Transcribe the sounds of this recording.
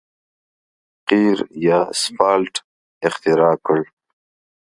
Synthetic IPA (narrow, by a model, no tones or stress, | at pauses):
qiːɾjaːspɑːlʈ | ɪxt̪ɪɾɑːkəɭ